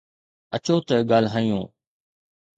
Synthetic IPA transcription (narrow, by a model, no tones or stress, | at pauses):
ət͡ʃoːt̪əɡaːlɦaːijõː